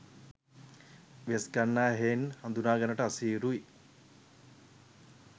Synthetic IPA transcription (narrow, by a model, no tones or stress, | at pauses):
ʋeskanːaːɦeːnhɐnd̪unaːɡanəʈəasiːɾui